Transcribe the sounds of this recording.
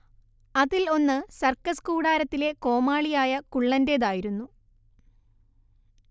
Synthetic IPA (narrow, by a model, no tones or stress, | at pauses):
ɐðilo̞nːɨsɐrkɐskuːɽaːɾɐt̪ːile̞ko̞ːmaːɭijaːjɐkuɭːɐnde̞ːðaːjiɾunːu